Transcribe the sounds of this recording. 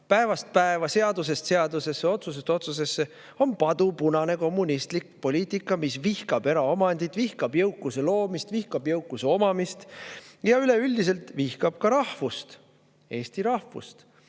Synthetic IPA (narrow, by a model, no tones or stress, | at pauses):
pæe̞vɑst̪̚pæevɑse̞ɑd̪use̞st̪se̞ɑd̪use̞sːeo̞t̪sus̬est̪ːo̞t̪sus̬e̞sːe | o̞npɑd̪upunɑne̞ko̞mːunist̪likpo̞lʲiːt̪ˑikːˑɑmisvihkɑb̥e̞ɾɑomɑnd̪̥it̪vihkɑbjɤwkːˑuselo̞ːmist̪vihkɑbjɤwkːˑuseo̞mɑmist̪jɑyle̞ylʲd̪is̬e̞lt̪vihkɑb̥̚kɑɾɑhvust̪ | e̞ːst̪iɾɑhvṵst̪